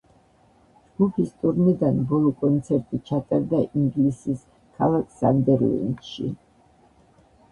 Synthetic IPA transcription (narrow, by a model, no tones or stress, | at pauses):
d͡ʒɡ̥upʰist̪ʼuɾmid̪anbɔlˠɔkʼɔnt̪sʰɛɾt̪ʼit͡ʃʰat̪ʼaɾd̪aʔiŋɡlisis | kʰalˠakʰsa̰nd̪ɛɾl̰ɛ̰nʃḭ